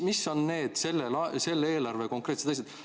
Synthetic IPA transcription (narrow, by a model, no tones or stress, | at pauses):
misːo̞nne̞ːd̪̥se̞lːelɑse̞lːeeːlɑrveko̞ŋkret̪se̥t̪es̬et̪